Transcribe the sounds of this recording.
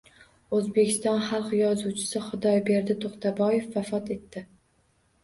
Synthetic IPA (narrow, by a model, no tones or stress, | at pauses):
ɵzbe̞kʲʰɪst̪ɒnχɑlˠqjɒzuwt͡ʃʰɪ̥sɪχʊd̪ɒjbe̞ɾd̪ɪt̪ʰoqt̪ʰabɒje̞fvafɒt̪e̞t̪ːɪ